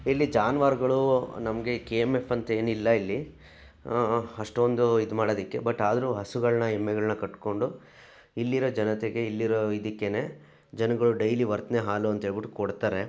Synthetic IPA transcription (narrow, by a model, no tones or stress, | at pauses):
ilːid͡ʒaːnʋaːɾɡɐɭunɐmɐɡe̞keemefɐnt̪ɐe̞ːnilːɐilːi | ɐʂʈond̪uid̪umaːɽod̪ikːe̞̰bɐʈːaːd̪ɐɾuːɦɐsuɡɐɭnɐemːɛɡɐɭnɐkɐʈko̞ɳɖu | ilːiɾod͡ʒɐnɐt̪eɡe̞ilːiɾoid̪ikːe̞ne̞ | d͡ʒɐnɐɡɐɭuɖɐjliʋɐɾt̪ɐneɦaːluɐnt̪ɐɦeːɭbiʈːukoɽt̪aːɾe̞